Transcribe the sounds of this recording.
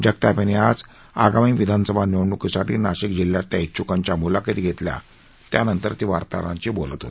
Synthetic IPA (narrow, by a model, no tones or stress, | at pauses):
d͡ʑək̚t̪apaniad͡z | aɡamiːʋid̪ʱansəbʱanewɳukisaʈiːnaɕikd͡ʑiljat̪ːjait̪ːt͡ɕukaɲt͡ɕjamulakit̪iːɡʱet̪lja̰ | t̪ja̰nənt̪əɾt̪iʋaɾt̪a̰ɾã̰ɲt͡ɕiːbolət̪ɦo̰t̪